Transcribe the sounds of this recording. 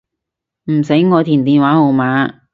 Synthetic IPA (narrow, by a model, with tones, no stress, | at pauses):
m̩˨˩se˨˥jŋɔː˨˧t̪ʰiː˨˩nt̪̬iː˨nwaː˨˥ho˨˧wmaː˨˧˦